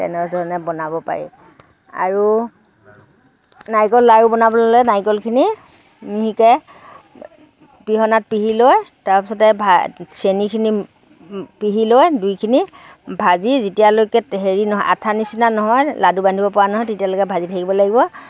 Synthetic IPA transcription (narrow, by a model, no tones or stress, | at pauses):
tɛ̰nɛdʱɔɹɔnɛbɔnabɔpa̰ɹḭ | a̰ɹu | najkɔlːaɹubɔnabɔlalɛnajkɔlkʰini | miɦikɛ | piɦɔnat̚piɦilojtaɹpisɔtɛbʱasenikʰini | piɦilojdujkʰini | bʱazizitijalokɛɦeɹinɔɦɔjʔa̰tʰanisinanɔɦɔjladubandʱibɔpɔanɔɦɔjtetijalokɛbʱazitʰakibɔlaɡibɔ